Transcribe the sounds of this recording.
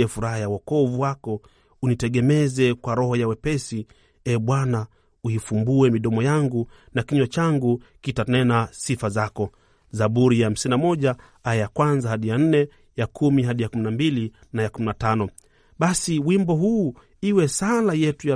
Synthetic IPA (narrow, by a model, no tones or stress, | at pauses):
ɛfuɾahajawɔkɔvuwakɔ | unitɛɡɛmɛzɛkwaɾɔhɔjawɛpɛsi | ɛɓwana | uifumbuɛmiɗɔmɔjaŋɡunakiɲwat͡ʃaŋɡukitanɛnasifazakɔ | zaɓuɾijaham̩sinnamɔʄa | aɛjakwanzahaɗijan̩nɛ | jakʰumiɦaɗijakuminambili | najakuminatanɔ | ɓasiwimbɔɦuː | iwɛsalajɛtuja